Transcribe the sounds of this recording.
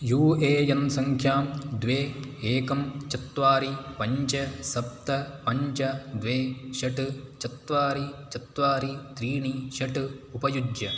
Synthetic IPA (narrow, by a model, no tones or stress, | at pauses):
juːeːjɐnsɐŋkʰjaːmd̪ʋeːeːkɐmt͡ʃɐt̪ʋaːɾipɐɲt͡ʃɐsɐp̚t̪ɐpɐɲt͡ʃɐd̪ʋeːʃɐʈɨt͡ʃɐt̪ʋaːɾit͡ʃɐt̪ʋaːɾit̪ɾiːɳiʃɐʈɨupɐjud̪jɐ